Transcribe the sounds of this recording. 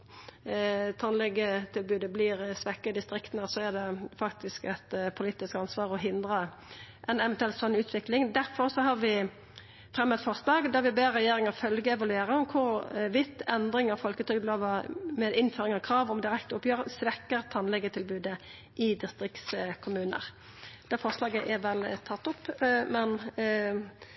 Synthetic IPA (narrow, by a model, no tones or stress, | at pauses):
t̪ʰɑnlɛɡːət̪ʰɪlbʉːd̪əblɪːʁsʋɛkːəd̪ɪst̪ɾɪkt̪ənəsɔɛʁd̪ɛfɑkt̪ɪskɛt̪pʰʊliːt̪ɪskɑnsʋɑːʁɔɦɪnd̪ʁə | ʔɛnɛʋɛnt̪ʉɛlt̪sɑnːʉːt̪ʋɪklɪŋd̪æʁfɔɾsɔɦɑʁʋɪ | fʁɛmːɛt̪fɔʁslɑːɡd̪ɑʁʋɪbeːɛjeːɾɪŋəfœlɡəɛʋɑlʉeːʁəɔmkʰʊɾʋɪt̪ːɛnd̪ʁɪŋɑfɔlkət̪ʰʏɡb̪loːʋɑmɛd̪ɪnføːʁɪŋɑkʰɾɑːʋɔmd̪ɪʁɛkt̪ʊpjøːʁəsʋɛkːəʁt̪ʰɑnlɛɡːət̪ʰɪlbʉːd̪ə | ʔɪd̪ɪst̪ʁɪkt̪skʰʊmʉːnə̰ʁ | d̪̥ɛfɔʁslɑːɡəʔɛʁʋɛlt̪ʰɑt̪ːʊpːmɛn